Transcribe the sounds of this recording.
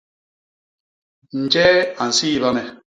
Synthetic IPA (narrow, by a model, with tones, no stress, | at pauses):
n̩˨d͡ʒɛ˦a˨n̩˨si˦˨ba˦mɛ˨